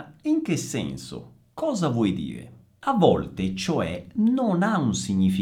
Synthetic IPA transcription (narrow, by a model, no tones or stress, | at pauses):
iŋkesːɛ̰nsʊ̰ | kɔːzavwɔjd̪ḭːɾḛ | avːɔlt̪et͡ʃoɛ̰nonaunsiɲːifi